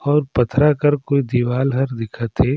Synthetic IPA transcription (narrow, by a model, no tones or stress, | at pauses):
ɔːɾpɐt̪ʰɾakɐɾkoːid̪iːʋaːlɦɐɾd̪ɪkʰat̪ʰeː